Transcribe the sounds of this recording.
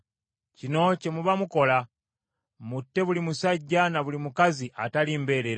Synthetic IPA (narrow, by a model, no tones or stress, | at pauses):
cino̞ce̞muβamuko̞la | mutːe̞βulimusaɟːanaβulimukaziʔataliːmbe̞ːɾeɾa